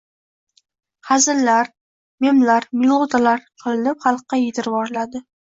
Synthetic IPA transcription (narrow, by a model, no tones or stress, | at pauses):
hazɪlːaɾ | memlaɾmɪlˠod̪alaɾqʰɨlɪnɪpχɑlˠqːɑjet̪ʰɪɾvɒɾlad̪ɪ